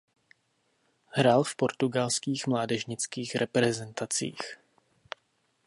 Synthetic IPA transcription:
hɾaːlfpo̞ɾt̪uɡalskiːxmlaːdɛʒɲɪt͡skiːxɾʔɛpɾɛzɛnt̪at͡sḭːx

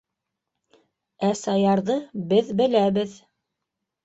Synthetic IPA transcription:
æsɑjɑɾðɤbɘðbɘ̆læβɘð

